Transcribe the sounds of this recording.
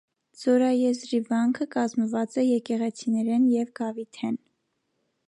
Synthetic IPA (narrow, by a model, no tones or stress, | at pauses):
z̥ɔɾɑjɛzɾivɑŋkʰəkɑzməvɑt͡sɛjɛkɛʁɛt͡sʰinɛɾɛnjɛvɡɑvit̪ʰɛn